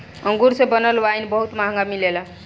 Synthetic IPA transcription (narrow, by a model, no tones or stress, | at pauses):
əŋɡuɾsẽbənəlʋajnbəɦut̪maɦŋɡamilela